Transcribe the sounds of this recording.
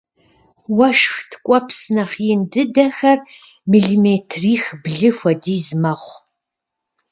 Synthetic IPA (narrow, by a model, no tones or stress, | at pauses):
wɐʃxtʰkʷʼɔpʰsɨnɐχjɪndɨdɐxɐr | miɮiːmetʰriːxbɮɨxʷɐdiːzmɐχʷ